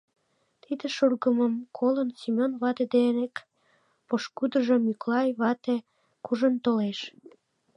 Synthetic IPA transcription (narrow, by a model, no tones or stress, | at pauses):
t̪id̪eʃurɣəməmkʰolənsimʲonβɑt̪ed̪enek | poʃkud̪əʒəmyklɑjβɑt̪e | kuʒənt̪oleʃ